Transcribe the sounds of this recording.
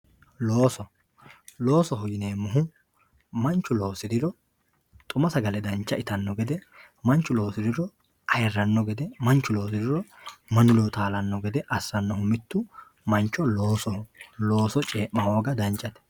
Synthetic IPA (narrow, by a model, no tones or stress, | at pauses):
loːsɔ | lo̞ːsɔɦʊjɪneːmːʊɦʊ | mɐnt͡ʃːʊlo̞ːsɪd̪ɪɾɔ | t̪ʼʊmɐsɐɡɐlɛd̪ɐnt͡ʃːɐʔɪt̪ɐnːɔɡɛd̪ɛ | mɐnt͡ʃːʊlo̞ːsɪd̪ɪɾɔ | ʔɐjɛrːɐnːɔɡɛd̪ɛmɐnt͡ʃːʊlo̞ːsɪd̪ɪɾɔmɐnʊlot̪aːlɐnːɔɡɛd̪ɛʔɐsːɐnːɔhʊmɪt̪ːʊ | mɐnt͡ʃːɔlo̞ːsɔhlo̞ːsɔt͡ʃʼeːʔːɐho̞ːɡɐd̪ɐnt͡ʃʼːɐt̪ɛ̥